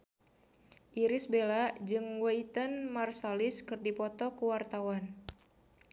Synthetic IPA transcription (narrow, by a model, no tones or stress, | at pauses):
ʔiɾɪsbelad͡ʒɨŋwait̪ənmarsalɪskɨrdipɔt̪ɔkuwart̪awan